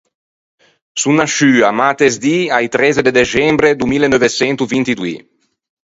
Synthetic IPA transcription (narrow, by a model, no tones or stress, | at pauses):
sunːaʃyːamat̪ezd̪iajt̪ɾɛzed̪ed̪et͡ʃɛmbɾed̪umilenɔvesɛnt̪uvint̪id̪wḭ